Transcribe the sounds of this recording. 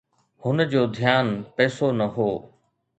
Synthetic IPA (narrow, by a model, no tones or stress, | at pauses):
hʊnəd͡ʑoːd̪ʱjaːnpɛːsonɐɦoː